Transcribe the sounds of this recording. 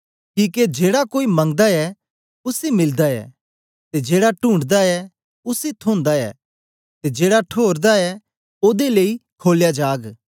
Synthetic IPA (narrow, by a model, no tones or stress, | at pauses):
kiːked͡ʒeːɽakoːimɐ̃ŋɡd̪aɛ | ʊsemɪld̪aɛ̰ | t̪ed͡ʒeːɽaʈũːɳɖd̪aɛ | ʊset̪ʰõːnd̪aɛ̰ | t̪ed͡ʒeːɽaʈʰoːɾd̪aɛ | oːd̪eleikʰoːljad͡ʒaːɡ